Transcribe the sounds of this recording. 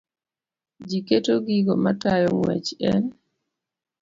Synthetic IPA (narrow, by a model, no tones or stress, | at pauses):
d͡ʒiketoɡiɡomatajɔŋwɛ̰t͡ʃɛ̰n